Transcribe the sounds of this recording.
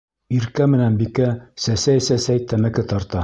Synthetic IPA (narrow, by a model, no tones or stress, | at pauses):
iɾkæmɘ̆nænbikæsæsæjsæsæjt̪ʰæmækɘt̪ɑɾt̪ɑ